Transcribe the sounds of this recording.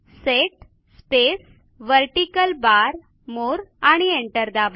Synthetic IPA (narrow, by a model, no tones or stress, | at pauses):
seʈ | spes | ʋəɾʈikəlbaɾ | moɾaɽ̃ieɳʈəɾd̪aʋ